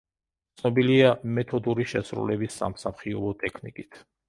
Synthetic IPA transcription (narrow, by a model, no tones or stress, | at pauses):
t̪snɔbiliamɛt̪ʰɔd̪uɾiʃɛsɾṵlɛbisːa̰msaχiɔbɔt̪ʼɛkʰnḭkʼit̪ʰ